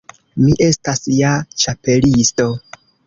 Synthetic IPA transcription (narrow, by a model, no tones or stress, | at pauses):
miʔe̞stasjat͡ʃape̞listo̞